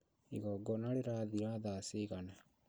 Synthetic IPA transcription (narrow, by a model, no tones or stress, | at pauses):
ḭɣɔɡɔnaleɾaðiɾaðaːseɣana